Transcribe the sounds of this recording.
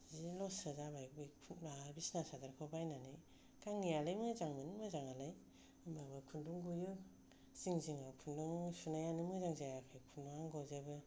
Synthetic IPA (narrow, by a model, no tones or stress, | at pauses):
zilɔsazabajbikʰabisnasadaɾkʰabajnanɯj | kaŋːijalajmɯzaŋmɯnɯmɯzaŋalaj | babakʰunduŋɡujɯ | ziŋziŋakʰunduŋsunajanɯmɯzaŋzajakʰajkʰundŋaŋɡɔzebɯ